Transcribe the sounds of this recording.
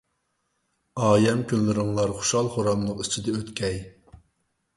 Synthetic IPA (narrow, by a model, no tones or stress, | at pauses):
ɑːjɛmkʲynlɪɾɪŋlˠɑɾχu̥ʃɑlˠχoɾɑmlˠəqit͡ʃʰid̪ɛøt̪kʲʰɛj